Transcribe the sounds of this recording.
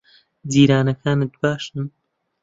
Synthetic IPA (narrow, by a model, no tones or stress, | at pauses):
d̪iːɾaːnɐkʰaːnɨt̪̚baːʃɨn